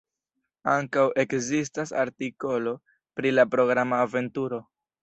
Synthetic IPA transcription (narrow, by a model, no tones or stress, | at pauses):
aŋkawʔe̞kzis̬tasa̰ɾtiko̞lo̞ | pɾilapɾo̞ɡɾamaːve̞ntuɾo̞